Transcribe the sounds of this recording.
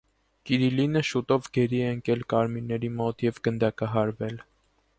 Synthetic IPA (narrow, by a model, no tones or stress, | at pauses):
kiɾilinəʃut̪ɔvɡɛɾiɛəŋkɛlkɑɾmiɾnɛɾimɔt̪jɛvɡənd̪ɑkɑɦɑɾvɛl